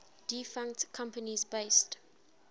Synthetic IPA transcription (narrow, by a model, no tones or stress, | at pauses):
d̥ifãŋk̚tkʰãmpənizbeɪst